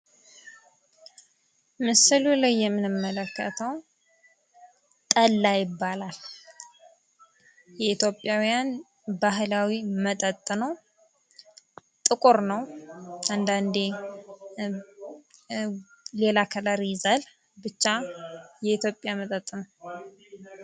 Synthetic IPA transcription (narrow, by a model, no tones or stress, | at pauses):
mɨsɨlulajːɛmːɨnɨmːələkːə̰t̪ʰəw | t̪ʼəlːajɪbːalal | jɛit̪ʰjo̞pʼːjawjan | baɦɨlawimət̪ʼət̪ʼːɨnə | t̪ʼɨkʼoɾnəwand̪and̪e | le̞lakʰəlaɾizal | bɨt͡ʃːajɛit̪ʰjo̞pʼjamət̪ʼət̪ʼːɨnəw